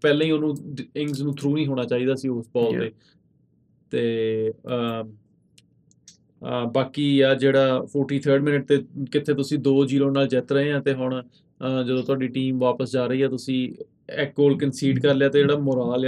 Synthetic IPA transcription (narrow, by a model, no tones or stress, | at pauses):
pɛːlẽːiːʊnũːɪŋsnũːt̪ʰɾuːnĩːɦoːɽ̃aːt͡ʃaːiːd̪aːsiːosbɔːlt̪eː | t̪eː | baːkiːjaːd͡ʒeːɽaːpʰoːɾʈiːt̪ʰəɾɖmɪnəʈ̚t̪eːkɪt̪ʰeːt̪ʊsĩːd̪oːd͡ʒiːlõːnaːld͡ʒɪt̪ɾəɦẽːãːt̪eːɦʊɳ̃a | d͡ʒəd̪õːt̪ʊaːɖiːʈiːmʋaːpəsd͡ʒaːɾəiːɛːt̪ʊsĩː | ɛkɡoːlkənsiːɖkəɾlejaːt̪eːd͡ʒeːɽaːmoːɾaːla